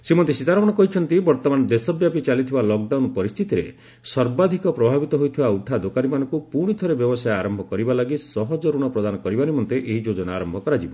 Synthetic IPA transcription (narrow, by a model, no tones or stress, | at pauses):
semɔnt̪isit̪aɾɔɽ̃ɔkɔɦit͡ʃʰɔnt̪ibɔɾt̪ɔmanɔd̪esɔbjapit͡ʃalit̪ʰibalɔk̚ɖawnpɔɾist̪ʰit̪iɾe | sɔɾbad̪ʱikɔpɾɔbʱabit̪ɔɦojt̪ʰibauʈʰad̪okaɾimanɔ̃ŋkupuɾɽ̃it̪ʰɔɾebjɔbɔsajaɾɔmbʱɔkɔɾibalaɡisɔɦɔd͡ʒɔɾuɽ̃ɔpɾɔd̪anɔkɔɾibaɾimɔnt̪eʔeɦid͡ʒod͡ʒɔnaːɾɔmbʱɔkɔɾad͡ʒibɔ